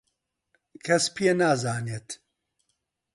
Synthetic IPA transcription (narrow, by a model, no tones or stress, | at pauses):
kʰɐspʰijenaːzaːneːt̪